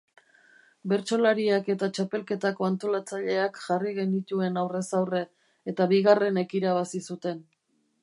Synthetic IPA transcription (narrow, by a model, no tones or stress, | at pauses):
be̞ɾt͡ʃo̞laɾiake̞t̪at͡ʃape̞lke̞t̪ako̞ant̪o̞lat͡saʎe̞akʝariɣ̞e̞nit̪ue̞nawre̞sawre̞ | et̪aβiɣare̞ne̞kiɾaβasisut̪e̞n